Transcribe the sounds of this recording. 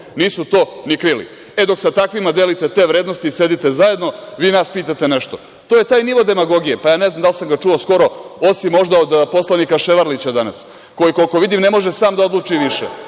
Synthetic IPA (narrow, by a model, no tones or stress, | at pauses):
niːsut̪o̞ːnikɾilḭ | e̞d̪o̞ksat̪akʋimad̪e̞lit̪et̪e̞ːʋɾeːd̪no̞st̪iːse̞d̪it̪e̞zaje̞d̪no̞ʋiːnaspiːt̪at̪e̞neʃt̪o | t̪oːje̞t̪aːjniʋo̞d̪e̞maɡo̞ɡijepajaːnezamd̪alsamɡat͡ʂuosko̞ɾo̞o̞simːo̞ʒd̪aod̪po̞slˠanikaʃeʋaɾlit͡ɕad̪ana̰s | ko̞jiko̞liko̞ʋid̪imne̞mo̞ʒesaːmd̪ao̞d̪lˠut͡ʂiʋiʃḛ